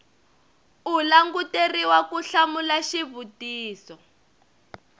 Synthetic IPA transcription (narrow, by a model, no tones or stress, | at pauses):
ulaŋɡuteriwakuɬamulaʃiβutiːsɔ